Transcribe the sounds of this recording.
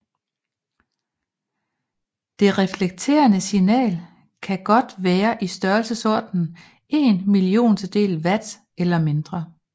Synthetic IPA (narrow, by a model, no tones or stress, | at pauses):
d̥e̝ʁɛfleɡ̥̚t͡sʰe̝̰ːɐnəsinɛ̰ːl | kʰæɡ̥ɒ̽d̥ʋæːɐʔisd̥ɶɐlsəsɒɐ̰d̥n̩ | e̝ːnmilio̝̰ːnt͡sʰed̥e̝̰ːlʋæd̥ | elɐme̝nd̥ʁɐ